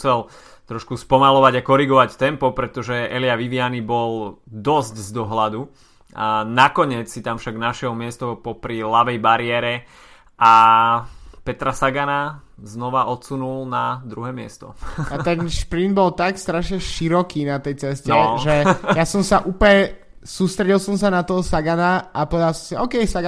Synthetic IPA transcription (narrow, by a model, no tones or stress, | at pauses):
t͡sɛl | t̪ɾɔʃkuspɔmalɔʋaɟakɔɾiɡɔʋact̪ɛmpɔpɾɛt̪ɔʒɛʔɛliaʋiʋɪanibɔld̪ɔzɟzd̪ɔɦlad̪u | anakɔɲɪɛt͡ssit̪amfʃaɡnaʃɛɦɔmɪɛst̪ɔpɔpɾilaʋɛjbaɾɪɛɾɛ | ʔa | pɛt̪ɾasaɡanaznɔʋaʔɔt̪sunulnad̪ɾuɦɛːmɪɛ̰st̪ɔ̰at̪ɛnʃpɾind̪̚bɔlt̪akst̪ɾaʃɲɛʃiɾɔkiːnat̪ɛjt͡sɛscnɛʒɛjasɔmsaʔuːplɲɛ | suːst̪ɾɛɟilˠsɔmsanat̪ɔɦɔsaɡanaapɔʋɛd̪alˠsɔmsiɔːkɛjsaɡ